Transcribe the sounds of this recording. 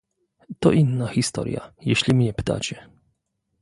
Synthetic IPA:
t̪ɔʔinːaːɣist̪ɔ̰ːɾḭa̰jɛʃlimiɲɛpt̪a̰ːt͡ʃɛ

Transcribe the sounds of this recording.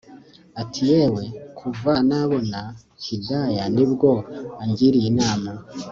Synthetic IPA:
atʰijewe̞kʰuvanaβo̞na | cidajanibɡo̞aɲɟiɾijinaːma

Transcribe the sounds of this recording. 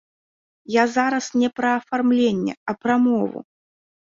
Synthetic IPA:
jazaɾɐsnʲɛpɾɐːfarmlʲenʲːɛ̰ɐpɾɐmɔvṵ

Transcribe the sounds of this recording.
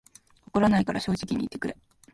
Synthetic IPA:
okoɾanaikaɾʔaɕo̞ːʑikʲiɲ̟ḭːt̪ːekɯ̟ɾe̞

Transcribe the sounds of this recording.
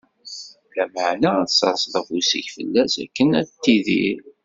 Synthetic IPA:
læməʕnæsɑɾsˤðˤəfusḭʝfə̰lːæsæ̰kːənæt̪ːiðḭɾ

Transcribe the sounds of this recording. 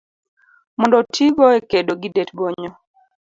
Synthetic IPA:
mɔndɔtʰiɡɔekedoɡidetbɔɲɔ

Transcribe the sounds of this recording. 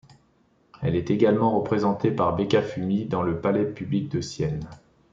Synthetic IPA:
ɛ̰lɛt̪eɡalmɑ̃ʁəpχezɑ̃t̪epaʁbekafymid̪ɑ̃ləpalɛpyblik̚d̪əsjɛn

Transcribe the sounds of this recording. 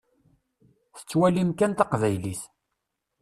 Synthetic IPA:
θə̥t͡sːwælimkænt̪ɑqvæjliθ

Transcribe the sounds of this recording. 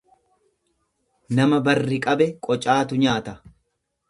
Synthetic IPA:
nɐmɐbɐrːɪkʼɐbɛkʼɔt͡ʃʼaːt̪ʊɲaːt̪ɐ

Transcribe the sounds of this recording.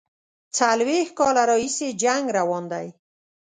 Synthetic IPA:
t͡salwexkɑlaɾɑhised͡ʒaŋɡɾawɑnd̪aj

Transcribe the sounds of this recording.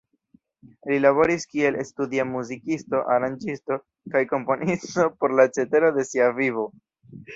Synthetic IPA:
lilaβo̞ɾiskie̞lestudiamuzikisto̞ʔaɾand͡ʒisto̞ | kajko̞mpo̞nisto̞po̞ɾlat͡ʃe̞te̞ɾo̞de̞siavivo̞

